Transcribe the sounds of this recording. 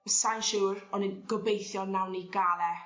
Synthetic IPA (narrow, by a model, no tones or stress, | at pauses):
sajnʃuːɾɔnənɡ̥ɔbejθjɔlˠnawniɡalˠɛ